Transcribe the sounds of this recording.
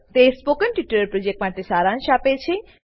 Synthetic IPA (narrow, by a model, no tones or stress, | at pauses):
t̪espokənʈiʈəɾəɾpɾod͡ʒek̚ʈmaʈesaːɾanʃapet͡ʃʰe